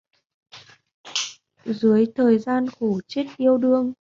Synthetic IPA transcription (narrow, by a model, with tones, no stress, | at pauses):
zɨ˨˦əjt̪ʰəː˨˩jzaː˧nxu˧˩t͡ɕe˦˥t̚ʔi˧əwɗɨ˧əŋ